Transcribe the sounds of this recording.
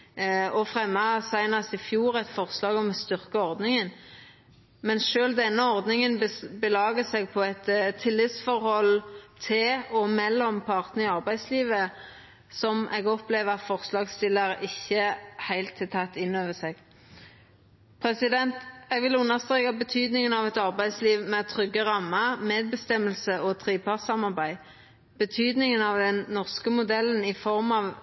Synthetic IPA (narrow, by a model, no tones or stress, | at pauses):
ɔfʁɛmːɑsæɪnɑsɪfjuːʁæt̪fɔʁslɑːɡɔmɛst̪ʏʁkəɔʁd̪nɪŋən | mɛnʃøːld̪ɛnːəɔʁd̪nɪŋənbəlɑːɡəsɛɡ̚pʰɔɛt̪t̪ʰːɪlːɪt̪sfɔɾhɔlt̪ʰɪlɔmɛlːɔmpʰɑʁt̪ənəɪɑʁbæɪd̪sliːʋə | sɔmʔɛɡɔpleːʋəɑt̪fɔʁslɑːɡst̪ɪlːəɾɪçːəhæɪlt̪ʰːɪlt̪ʰɑt̪ːɪnːøːʋəseːɡ̥ | pʰɾɛsɪd̪ɛnt̪ɛɡʋɪlʉnːəʁst̪ɾeːkɑbət̪ʰyːd̪nɪŋənɑʋɛt̪ɑʁbæɪd̪sliːʋmɛt̪ʰʁʏɡːəʁɑmːəmeːd̪̚bəst̪ɛməlsəʔɔt̪ʰʁiːpɑʁsɑmɑʁbæɪ | b̥ət̪ʰyːd̪nɪŋənɑʋd̪ɛnnɔʁskəmʊd̪ɛlːənɪfɔʁmɑʋ